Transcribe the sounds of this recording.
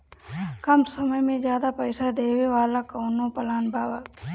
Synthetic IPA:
kɐmsɐməjmẽzjaːd̪apɐɪsad̪eːweʋaːlakɐːnõpɐlaːnbʱaːwaː

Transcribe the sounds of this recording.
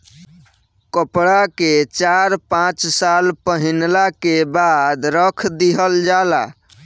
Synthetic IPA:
kəpɽaket͡ʃaɾpãt͡ʃsalpəɦinlakebad̪ɾəkʰd̪iɦəld͡ʒala̰

